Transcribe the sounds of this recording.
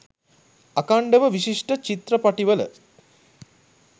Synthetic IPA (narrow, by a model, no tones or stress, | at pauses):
akaɳɖəʋəʋiʃiʂʈət͡ʃit̪rəpaʈiʋələ̰